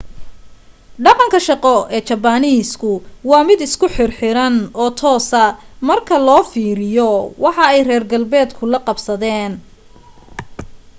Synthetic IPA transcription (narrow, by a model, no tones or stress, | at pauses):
ɖɑqɑŋkʰɐʃɑqɔʔɛːt͡ʃɐbaniːskʰʊwɑːmɪd̪ɪskʰʊħɪrħɪɾɐnɔːt̪ʰɔːsɐmɐrkʰɐlɔːfiːɾɪjɔwɑħɑɛjrɛːrɡɐlbɛːd̪kʰʊlɐqɑbsɐðɛːn